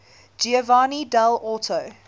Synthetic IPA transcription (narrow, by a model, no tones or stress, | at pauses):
d͡ʒiəvɑːnidalɔtʰoʊ